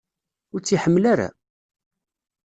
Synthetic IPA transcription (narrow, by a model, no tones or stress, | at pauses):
ʊɾt͡sːiħəmːlaɾa̰